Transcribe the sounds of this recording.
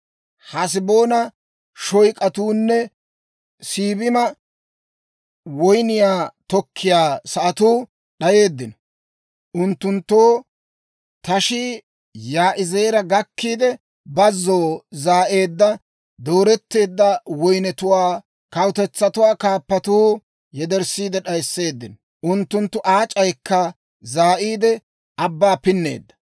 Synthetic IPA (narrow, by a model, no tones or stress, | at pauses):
hɐs̬ɪbo̞ːnɐ | ʃɔjkʼɐt̪uːnːɛ | siːbɪmɐ | wɔjnɪjaːt̪ɔkʰːɪjaːsɐʔɐt̪uː | ɗɐje̞ːd̪ːɪnɔ | ʔʊnt̪ːʊnt̪ːoː | t̪ɐʃɪ | jaːʔɪze̞ːɾɐɡɐkːiːd̪ɛ | bɐzːoːzaːʔe̞ːd̪ːɐ | d̪oːɾɛt̪ːe̞ːd̪ːɐwɔjnɛt̪ʊwaː | kɐwʊt̪ɛt͡sːɐt̪ʊwaːkaːpːɐt̪uː | jɛd̪ɛɾsiːd̪ɛɗɐjsːe̞ːd̪ːɪnɔ | ʔʊnt̪ːʊnt̪ːʊʔaːt͡ʃʼɐjkʰːɐ | zaːʔiːd̪ɛ | ʔɐbːaːpɪnːe̞̰ːd̪ːɐ̥